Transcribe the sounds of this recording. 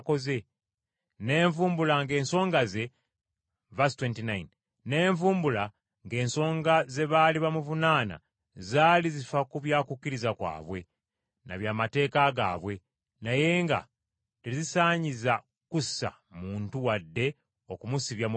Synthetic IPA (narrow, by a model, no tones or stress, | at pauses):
ko̞ze̞ | ne̞ːɱvuːmbulaŋɡe̞ːnso̞ːŋɡaze̞ | vastwentinajnː | e̞ːɱvuːmbula | ŋɡe̞ːnso̞ːŋɡaze̞βaːliβamuvunaːna̰ | zaːlizifakuβjaːkukːiɾizakwa̰ːβwe̞ | na̰βjaːmate̞ːkaɡa̰ːβwe̞ | naje̞ːŋɡa̰ | teizisaːɲiza | kusa̰ | muːntuwadːe̞ | o̞kumusiβjam